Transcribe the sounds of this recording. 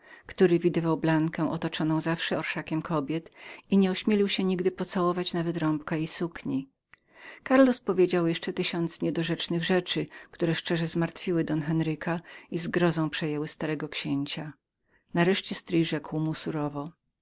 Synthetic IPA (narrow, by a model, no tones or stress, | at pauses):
kt̪uɾɘvʲid̪ɘvawblaŋkɛ̃w̃ʔɔt̪ɔt͡ʂɔnɔ̃w̃zafʂɛɔɾʂakʲɛmkʰɔbʲjɛt̪iɲɛuɕmʲjelʲiwɕɛɲiɡd̪ɘpɔt̪sawɔvat͡ɕnavɛt̪ɾɔmpkaisukɲi | kaɾlɔspɔvʲjed͡ʑawjɛʂt͡ʂɛt̪ɘɕɔnt̪sɲɛd̪ɔʐɛt͡ʂnɘɣʐɛt͡ʂɘkt̪uɾɛʂt͡ʂɛʐɛzmaɾt̪fʲiwɘd̪ɔnxɛnɾɘkaizɡɾɔzɔ̃w̃pʂɛjɛwɘst̪aɾɛɡɔkɕeɲt͡ɕa | naɾɛʂt͡ɕɛst̪ɾijʐɛkwmusuɾɔvɔ